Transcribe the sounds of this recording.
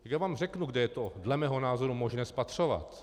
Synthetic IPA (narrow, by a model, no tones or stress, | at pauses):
ɡjavaːmr̝ɛknuɡdɛjɛt̪odlɛmɛːɦonaːzoɾumoʒnɛːspat̪r̝̥ova̰t̪